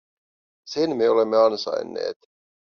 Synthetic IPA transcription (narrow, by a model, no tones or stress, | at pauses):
senmeo̞le̞mːeɑnsɑ̰jnːe̞̰ːt̪